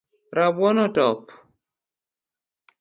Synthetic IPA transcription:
ɾabwɔnɔtɔp

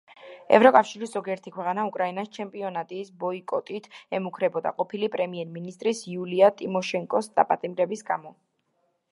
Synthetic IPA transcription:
ɛ̰vɾɔkʼafʃiɾiszɔɡiɛɾt̪ʰikʰwɛqʼanaukʼɾainast͡ʃʰɛmpʼiɔnat̪ʼiːsbɔikʼɔt̪ʼit̪ʰɛmukʰɾɛbɔd̪a̰qʼɔpʰilipʼɾɛmiɛɾminist̪ʼɾisiuliat̪ʼimɔʃɛŋkʼɔsd̪̥a̰pʼat̪ʼimɾɛbisɡamɔ

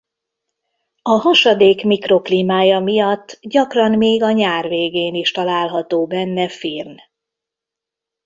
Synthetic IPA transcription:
ɒɦɒʃɒd̪eːkmikro̞kliːmaːjɒmijɒt̪ːɟɒkrɒnmeːɡɒɲaːrveːɡeːniʃt̪ɒlaːlɦɒt̪oːbɛnːɛfirn

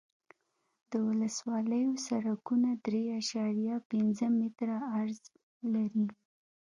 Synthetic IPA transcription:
d̪̥əwʊləswɑləjosaɾakunad̪ɾeaʃɑɾjɑpɪnzəmit̪ɾaːɾz | laɾi

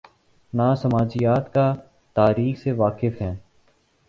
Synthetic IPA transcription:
naːsəmaːd͡ʒɪjaːt̪ka | t̪aːɾiːxseʋaːkɪfɦɛ̃ː

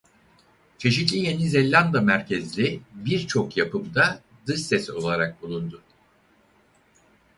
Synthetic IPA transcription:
t͡ʃʰe̞ʃit̪lʲije̞nizelʲːand̪amæɾcʰɛzlʲibiɾt͡ʃʰo̞kjapʰɯmd̪a | d̪ɯʃsɛso̞̰lˠaɾak̚bulˠund̪ʊ

